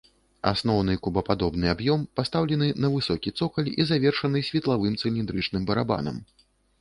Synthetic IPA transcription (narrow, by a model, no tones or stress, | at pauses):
a̰snɔwnɨkubɐpad̪ɔbnɨabjɔmpast̪awlʲɛnɨnɐvɨsɔkʲit̪sɔkɐlʲizavʲɛrʂɐnɨsʲvʲɛt̪lˠavɨmt̪sɨlʲind̪ɾɨt͡ʂnɨmbɐɾaba̰nɐ̰m